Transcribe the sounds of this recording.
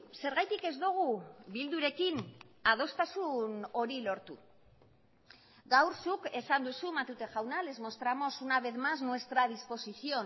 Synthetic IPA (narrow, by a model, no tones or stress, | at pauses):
se̞ɾɣajt̪ike̞zd̪uɣ̞uβild̪uɾe̞kinað̞o̞st̪asuno̞ɾilo̞ɾt̪u | ɡawɾsuke̞sand̪usumat̪ut̪e̞ʝawnale̞zmo̞st̪ɾamo̞sunaβe̞ðmaznuwe̞st̪ɾaðispo̞sisio̞